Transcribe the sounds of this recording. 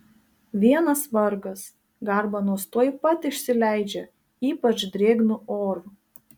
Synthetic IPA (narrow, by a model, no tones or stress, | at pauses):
ʋʲiɛnɐsʋɐɾɡɐs | ɡɐˑɾbɐnuɔst̪oːjɪpɐt̪ɪʃʲsʲɪlʲæˑɪd͡ʒʲɛ | iːpɐt͡ʃd̪ʲɾʲeːɡnʊoːɾʊ